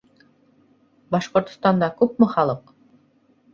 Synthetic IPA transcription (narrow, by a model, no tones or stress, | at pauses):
bɑʃqŏɾt̪̆st̪ɑnd̪ɑkʉpmɘχɑlˠɤq